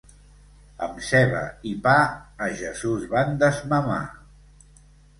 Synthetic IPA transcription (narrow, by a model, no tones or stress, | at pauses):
ə̰msɛβə̰ipaəʒəzuzβand̪əzməma̰